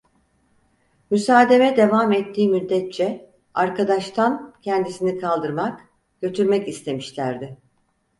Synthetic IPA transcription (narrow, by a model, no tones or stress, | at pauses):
mysaːd̪e̞vɛd̪e̞vamɛt̪ʰːiːmyd̪ːɛt̪̚t͡ʃʰɛ | aɾkʰad̪aʃt̪ʰancʰɛnd̪isinikʰalˠd̪ɯɾmak | ɟ̥ø̞t̪ʰyɾmɛcist̪ʰe̞miʃlʲæɾd̪ɪ